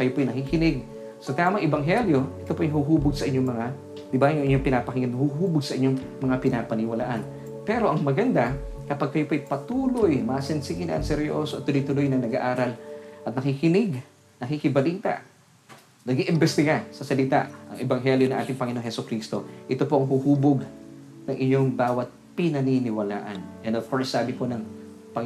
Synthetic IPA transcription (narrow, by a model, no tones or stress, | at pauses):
kɐjopoajnɐkikɪnɪɡ̚ | sɐt̪aːmɐŋʔɛbɐŋɦɛljo̞ʔɛt̪opoʔɐjhʊɦuːbʊɡsɐʔɪɲoŋmɐŋa | d̪ɪbajʊŋʔɪɲːoŋpɪnapɐkɪnhuɦuːboɡ̚sɐʔɪɲːoŋ | mɐŋapɪnaːpɐnɪwɐla̰ːʔan | pɛːɾo̞ʔɐŋmɐɡɐnd̪akɐpaɡ̚kɐjopoʔɐjpɐt̪uːlojmasɛnsɪɡɪnɐʔɐ̰ŋsɛɾjo̰soʔɐt̪̚t̪ʊlʊjt̪ʊlojnɐŋnɐɡa̰ʔaːɾɐlʔɐt̪̚nɐkikɪnɪɡ | nɐkikɪbɐliːt̪ɐ̰ | nɐɡiʔɪmbɛst̪ɪɡasɐsɐlɪt̪a̰ʔʔɐ̰ŋɛbɐŋɦɛljonɐŋʔaːt̪ɪŋpɐŋɪnoːŋhɛsʊkɾiːst̪o̞ʔɪt̪o̞po̞ʔɐŋɦuhuːboɡ | nɐŋʔɪɲo̞ŋbaːwɐt̪̚pɪnɐninɪwɐla̰ːʔɐnʔɛnd̪ovkoɹsːaːbɪpo̞nɐŋ | pɐ